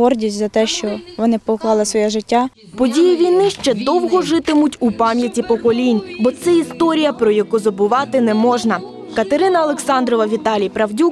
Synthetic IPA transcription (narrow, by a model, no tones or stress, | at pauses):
ɦɔrdʲisʲtʲzɐt̪ɛʃt͡ʃɔʋɔnɪpɔklˠɑlˠɪsʋɔjɛʒɪtʲːa | pɔdʲijiʋʲijnɪʃt͡ʃɛd̪ɔwɦɔʒɪt̪ɪmʊtʲupɑmʲjɐtʲipɔkɔlʲinʲbɔt̪sɛist̪ɔɾʲijɐpɾɔjɐkuzɔbʊʋɑt̪ɪnɛmɔʒnɐ | kɐt̪eɾɪnɐɐlˠeksɑnd̪ɾɔʋɐʋʲit̪ɑlʲijpɾɐwdʲuk